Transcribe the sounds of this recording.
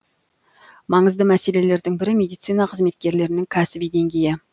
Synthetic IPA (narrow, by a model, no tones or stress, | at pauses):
mɑɴəzd̪əmæse̞le̞le̞ɾd̪ɪŋbɪɾɪmʲe̞d̪ijt̪sijnɑqʰəzme̞t̪̚kʲe̞ɾle̞ɾɪnɪŋkʲʰæsɪbijd̪e̞ŋɡʲe̞jɪ